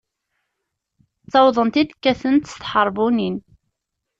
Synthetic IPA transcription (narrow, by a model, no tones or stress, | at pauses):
t͡sːɑwðˤənt̪id̪kːæθənt̪st̪ħəɾˤvunin